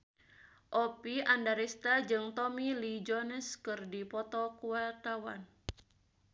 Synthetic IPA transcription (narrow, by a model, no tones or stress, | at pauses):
ʔɔpiandaɾist̪ad͡ʒɨŋt̪ɔmilid͡ʒɔnɛskɨrdipɔt̪ɔkuat̪awan